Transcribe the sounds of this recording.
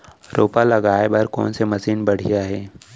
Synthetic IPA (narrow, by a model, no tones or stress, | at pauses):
ɾoːpalɐɡaːebɐɾkɔ̰ːnsemɐsiːnbɐɽ̤ijaɦɛː